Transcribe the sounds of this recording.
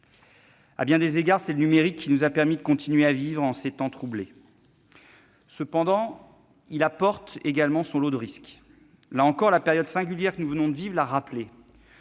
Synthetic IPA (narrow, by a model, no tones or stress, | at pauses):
a̰bjɛ̃d̪ezeɡaʁsɛlənymeʁikʰʲːinuzapɛʁmid̪əkɔ̃t̪ʰinɥeavivʁɑ̃set̪ɑ̃t̪χuble | səpɑ̃d̪ɑ̃ | ilapɔʁt̪eɡalmɑ̃sɔ̃lod̪əʁisk | laɑ̃kɔʁlapeʁjɔd̪sɛ̃ɡʲyljɛʁkənuvənɔ̃d̪əvivʁlaʁaple